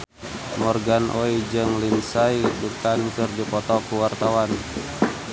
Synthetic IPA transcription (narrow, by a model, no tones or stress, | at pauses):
mɔrɡanʔɔid͡ʒəŋlinsaiduk̚t̪ankɨrdipɔt̪ɔkuwart̪awan